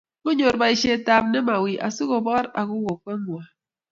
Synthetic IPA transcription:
mo˦ɲo˨ɾba˨i˨ʃe˦˨˦ta˨p̚ne˦ma˨wi˨ʔa̰˨su˦ko˨bɔ˦ɾa̰˨ku˦wo˨ke˦wa˨

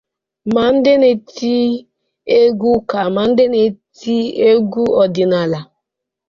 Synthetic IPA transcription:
ma˨n̩˦dɪ˦ne˨ti˦ | e˦ɡu˦ka˨ma˨n̩˦dɪ˦ne˨ti˦e˦ɡu˦ɔ˨dɪ˨na˨la˨

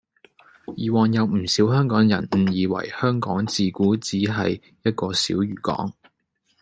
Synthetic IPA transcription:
jiː˨wɔː˨njɐ˨˧wm̩˨˩siː˨˥wɦœː˥ŋkɔː˨˥ŋjɐ̰˨˩n̩˨˩jiː˨˧wɐ̰˨˩jhœː˥ŋkɔː˨˥ŋt͡siː˨kuː˨˥t͡siː˨˥ɦɐ˨j | jɐ˥t̚kɔː˧sḭː˨˥wjyː˨˩kɔ̰ː˨˥ŋ

